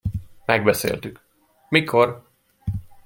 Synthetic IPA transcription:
mɛɡ̚bɛsḛːlt̪yk | mikʰo̞r

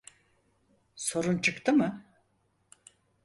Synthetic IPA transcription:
so̞ɾunt͡ʃʰɯkt̪ʰɯmɯ

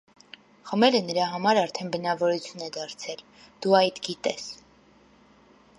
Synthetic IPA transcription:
χəmɛlənəɾɑɦɑmɑɾɑɾt̪ʰɛnbənɑvɔɾut͡sʰjunɛd̪ɑɾt͡sʰɛl | d̪̥uɑjt̪ɡit̪ɛs

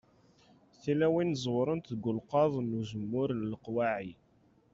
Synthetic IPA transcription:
θilæwinzˤwɾˤənt̪ðɡʊlqɑðˤnːuʒəmːʊɾləlqwaʕi

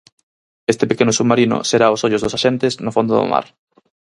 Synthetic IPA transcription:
est̪epekenʊsumaɾinʊ̰seɾaosoʎʊzðosaʃent̪esnofond̪oðo̰ma̰ɾ

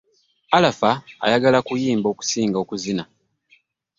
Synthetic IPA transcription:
alafa̰ːjaɡalakujiːmbo̞ku̥siːŋɡo̞ːkuzina

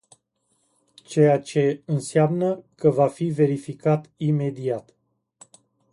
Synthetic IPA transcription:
t͡ʃe̞jat͡ʃe̞ɨnseamnəkəvafive̞ɾifikat̪ime̞d̪iat̪

